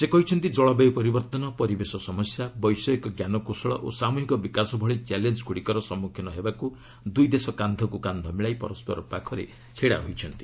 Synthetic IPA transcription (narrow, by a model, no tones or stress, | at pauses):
sekɔɦit͡ʃʰɔnt̪id͡ʒɔɭɔbejpɔɾibɔɾt̪ɔnɔpɔɾibesɔsɔmɔsjabɔjsɔekɔɡjanɔkosɔɭɔ̰ʔosamuɦikɔbikasɔbʱɔɭit͡ʃɛlend͡ʒkʰuɽikɔɾɔsɔmːukʰjɔnɔɦebaku | d̪ujd̪esɔkand̪ʱɔkukand̪ʱɔmiɭajpɔ̰ɾɔspɔɾɔ̰pakʰɔɾḛ | t͡ʃʰeɽa̰ɦojt͡ʃʰɔnt̪i̥